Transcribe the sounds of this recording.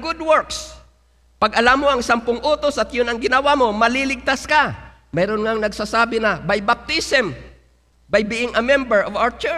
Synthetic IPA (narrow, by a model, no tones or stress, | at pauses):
ɡʊd̪wɔɹks | pɐɡʔɐlamːoɐŋsɐmpʊŋʔoːt̪osɐt̪jʊnɐŋɡɪnɐwamo̞mɐlilɪɡ̚t̪aska | mɛːɾonŋaŋnɐɡsaːsaːbɪnɐbajbap̚t̪isɛm | bajbiːʔɪŋɐmɛmbɛɹʔovawət͡ʃɛ